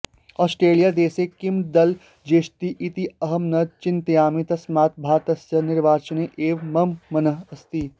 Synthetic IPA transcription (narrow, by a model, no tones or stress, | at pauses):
ɔːsʈɾeːlijad̪eːsekɪmd̪ɐl | d͡ʒeːʃt̪iʔit̪iɐɦɐmnɐd̪t͡ʃɪnt̪ɐjaːmit̪ɐsmaːt̪̚bʱaːt̪ɐsjɐnɪɾʋaːt͡ʃəneʔeːʋmɐmːɐnəɦɐst̪iː